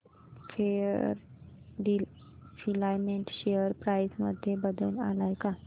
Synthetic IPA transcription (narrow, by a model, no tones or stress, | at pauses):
fʰeɾ | ɖi | fʰilajmeɳʈʃejəɾpɾajsmə̰d̪ʱːjebəd̪əna̰lajka